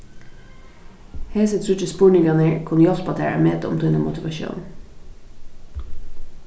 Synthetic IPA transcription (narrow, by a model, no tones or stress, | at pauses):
heːsət̪ʰɾʉt͡ʃəspuːɳɪŋɡɑnəɹkʰʊnjɔspɑt̪ʰḛːɹə̰meːt̪əɔ̰mt̪ʰuːnəmʊt̪ɪʋɑʃṵːn